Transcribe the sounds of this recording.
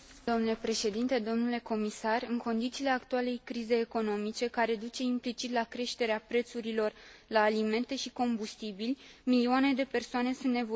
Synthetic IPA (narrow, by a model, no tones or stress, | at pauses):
d̪omnule̞pɾe̞ʃe̞d̪int̪e̞d̪o̞mnule̞ko̞misarɨŋko̞nd̪it̪siːle̞akt̪uale̞jkɾize̞jːko̞no̞mit͡ʃe̞kaɾe̞d̪ut͡ʃe̞implit͡ʃit̪lakɾe̞ʃt̪e̞ɾeapɾe̞t̪suɾilo̞rlaːlime̞nt̪e̞ʃiko̞mbust̪ibilʲmilioane̞d̪e̞pe̞rsoane̞sunt̪ne̞v